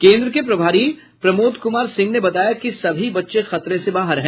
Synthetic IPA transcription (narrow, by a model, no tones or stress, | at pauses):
kẽːnd̪ɾəkepɾɐbʱaːɾi | pɾɐmoːd̪kʊmaːɾsɪ̃ŋɡnebɐt̪aːjakisɐbʱibɐtːʃexɐt̪ɾẽsebaːɦəɾɦɛ̃